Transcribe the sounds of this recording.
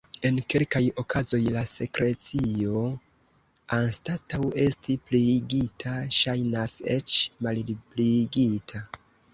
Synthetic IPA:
e̞nke̞lkajo̞kʰazo̞jlase̞kɾe̞t͡sio̞ | anstatawe̞stipliɡitʰaʃajnase̞̰t͡ʃmaldibliɡitʰa

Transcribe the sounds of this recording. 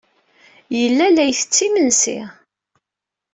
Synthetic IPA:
jəlːælæjθə̥t͡sːimənsḭ

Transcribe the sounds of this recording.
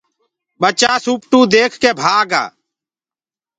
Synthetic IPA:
ɓət͡ʃaːsuːpʈũːd̪eːkʰkeːbʱaːɡa̰ː

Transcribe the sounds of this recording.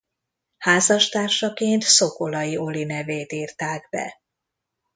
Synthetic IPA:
haːzɒʃt̪aːrʃɒkeːnt̪so̞ko̞lɒjio̞linɛveːt̪iːrt̪aːɡbɛ̰

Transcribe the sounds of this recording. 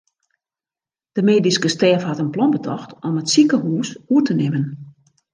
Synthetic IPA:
d̥əmeːdiskəstɛːfhatənplɔnbətʰɔxtɔmətsikəhuːsuətənɪmən

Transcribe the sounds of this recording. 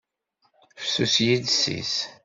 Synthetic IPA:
fə̥susjidsḭs

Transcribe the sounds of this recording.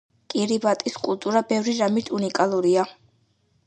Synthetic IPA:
kʼiɾibat̪ʼiskʼulˠt̪ʼuɾabɛvɾiɾamit̪ʰunikʼalˠuɾia

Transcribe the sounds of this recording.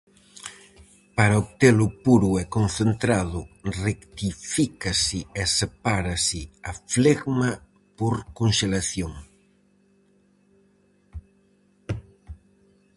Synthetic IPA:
paɾaop̚t̪elʊpuɾʊɛkonθent̪ɾaðʊrekt̪ifikasɪesepaɾasɪafleɣma | poɾkonʃelaθjoŋ

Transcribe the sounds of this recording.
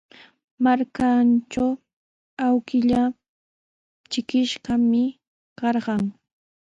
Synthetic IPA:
maɾkant͡ʃaw | awkɪʎa | t͡ʃɪkɪʃɢɑmɪ | kɑɾɢɑŋ

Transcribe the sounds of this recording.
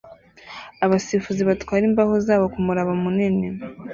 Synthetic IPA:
aβasifuziβatkwaːɾimbahozaːβokumuɾaβamunine

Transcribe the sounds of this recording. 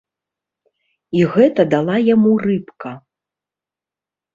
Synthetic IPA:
iɣɛt̪ɐd̪alˠajamurɨpkɐ

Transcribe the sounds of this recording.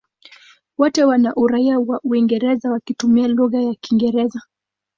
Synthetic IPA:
wɔtɛwanaʔuɾaiawaʔuiŋɡɛɾɛzawakitumialuɣajakiŋɡɛɾɛza

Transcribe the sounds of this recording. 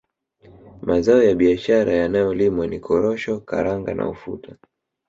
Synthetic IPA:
mazaɔjaɓiaʃaɾajanajɔlimwanikʰɔɾɔʃɔka̰ɾaŋɡa̰nʔa̰ufṵtʰa

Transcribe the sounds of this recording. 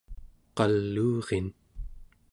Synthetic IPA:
qɑlːuːʁen

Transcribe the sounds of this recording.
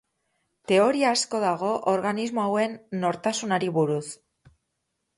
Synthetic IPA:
t̪e̞o̞ɾiaːsko̞ðaɣ̞o̞ʔoɾɣanizmo̞awe̞nːo̞ɾt̪asunaɾiβuɾus

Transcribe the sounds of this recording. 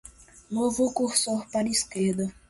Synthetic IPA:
novʊkuɾsoɾpaɾiskeɾd̪ɐ

